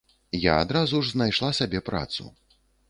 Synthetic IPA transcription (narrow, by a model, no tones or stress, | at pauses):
jaad̪ɾazuʐznajʂlˠasabʲɛpɾa̰t̪sṵ